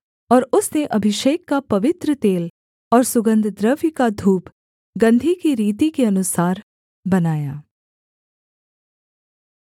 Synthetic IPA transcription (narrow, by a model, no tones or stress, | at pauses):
ɔːɾʊsneʔɐbʱɪʃeːkːapɐʋɪt̪ɾət̪eːl | ɔːɾsʊɡə̃nd̪ʱd̪ɾəʋjkad̪ʱuːp | ɡɐ̃nd̪ʱikiɾiːt̪̬ikeɐnʊsaːɾ | bɐnaːjaː